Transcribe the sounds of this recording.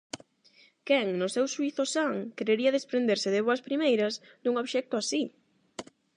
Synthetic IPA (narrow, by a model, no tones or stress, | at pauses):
kɛŋnʊsɛwʃuiθʊsaŋkeɾeɾiɐðespɾẽnd̪eɾsɪðɪβoɐspɾimejɾɐz | d̪uŋoβʃɛk̚t̪ʊasi